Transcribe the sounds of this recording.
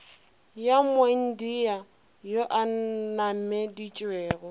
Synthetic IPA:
jamweŋ̩dija | joʔanam̩mɛdit͡ʃʼwɛːɣɔ

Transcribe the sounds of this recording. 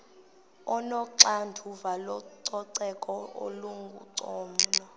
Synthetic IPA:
ɔnɔǀandʱʰuvalɔǀɔǀɛkʼɔo̰luŋɡʱṵǀɔːmnɔ

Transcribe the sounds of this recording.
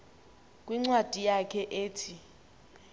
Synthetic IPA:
kʼwiŋ͡ǀwad̥ʱijakʰɛʔeːtʰi

